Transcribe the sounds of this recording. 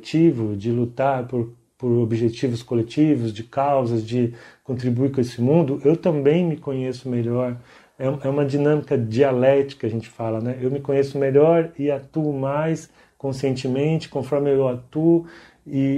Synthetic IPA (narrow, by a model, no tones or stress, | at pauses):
t͡ʃivʊd͡ʒɪlut̪aɾpoɾ | poɾobiʒet͡ʃivʊskolet͡ʃivʊzd͡ʒɪkawzɐzd͡ʒɪkõnt̪ɾibuiɾkõesɪmũnd̪ʊʔewt̪ɐ̃mbẽj̃mɪkõɲesʊmeʎɔɾ | ɛũɛũmɐd͡ʒinɐ̃mikɐd͡ʒialɛt͡ʃɪ̥kɐɐʒẽnt͡ʃɪ̥falɐnɛewmɪkõɲesʊmeʎɔɾɪat̪uʊmajs | kõsiẽnt͡ʃɪmẽnt͡ʃɪ̥kõfɔɾmɪewat̪uʊ | ɪ